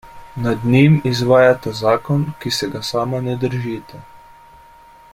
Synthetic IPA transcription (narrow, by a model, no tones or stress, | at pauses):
nad̪nimizʋaːjat̪azaːkɔnkisɛɡasaːmanɛd̪əɾʒit̪a